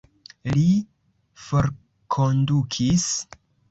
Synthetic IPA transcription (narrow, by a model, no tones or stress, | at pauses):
li | fo̞ɾ | kʰondukʰis